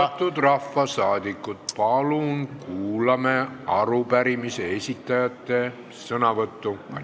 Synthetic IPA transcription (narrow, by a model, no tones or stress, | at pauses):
ɑt̪ˑːud̪rɑfːɑsɑːd̪̥ikːˑut̪̚pɑlunkuːlɑmeɑɾupæɾimise̞esʲit̪ːɑjɑt̪ːe̞ | sɤnɑvɤt̪ːu